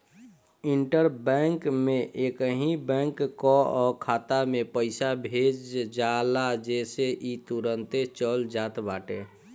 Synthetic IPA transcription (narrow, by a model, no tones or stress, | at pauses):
iɳʈəɾbɛŋkmẽʔekəɦĩbɛ̃ŋkːɔɔkʰaːt̪amepəɪsabʱed͡ʒd͡ʒalad͡ʒeseʔit̪uɾənt̪et͡ʃəld͡ʒaːt̪baːʈe